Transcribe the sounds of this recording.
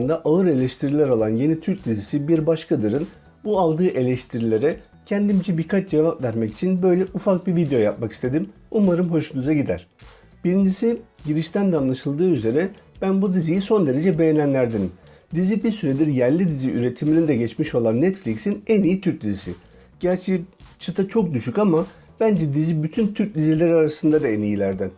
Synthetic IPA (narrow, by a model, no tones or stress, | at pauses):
nd̪aʔaɯɾe̞lʲɛʃt̪ʰiɾilʲæɾo̞lˠanje̞nit̪ʰyɾc̚d̪izisibiɾbaʃkʰad̪ɯɾɯn | bualˠd̪ɯːʔe̞lʲɛʃt̪ʰiɾilʲe̞ɾɛ | cʰɛnd̪imd͡ʒɛbikʰat͡ʃd͡ʒevapvæɾmɛci̥t͡ʃʰinbø̞jlʲɛʔufak̚bivid̪ejo̞japmaki̥st̪ʰe̞d̪im | umaɾɯmɦo̞ʃunuzaɟid̪æ̰ɾ̥ | b̥iɾind͡ʒisiɟiɾiʃt̪ʰænd̪anlˠaʃɯlˠd̪ɯːyze̞ɾɛb̥ænbud̪izijiso̞nd̪e̞ɾe̞d͡ʒɛbe̞jenʲænlʲæɾd̪in | d̪izibiɾsyɾed̪iɾjæɾlʲid̪iziʔyɾe̞t̪ʰiminid̪ɛɟɛt͡ʃmiʃo̞lˠanːɛt̪flʲicsinɛnijit̪ʰyɾc̚d̪izisḭ | ɟ̥æɾt͡ʃʰit͡ʃʰɯt̪ʰɯt͡ʃʰo̞k̚d̪yʃycama | b̥ænd͡ʒɛd̪izibyt̪ʰynt̪ʰyɾc̚d̪izilʲeɾaɾasɯnd̪ad̪aɛnijilʲæɾd̪æn